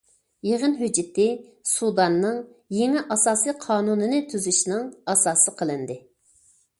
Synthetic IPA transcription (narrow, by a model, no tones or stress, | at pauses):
jeʁənɦyd͡ʒɪt̪ɪsud̪ɑnːɨŋjeŋɪʔɑsɑːsiqʰɑːnunɨnɨt̪ʰyzyʃnɨŋɑsɑːsɨqʰəlˠɨnd̪ɪ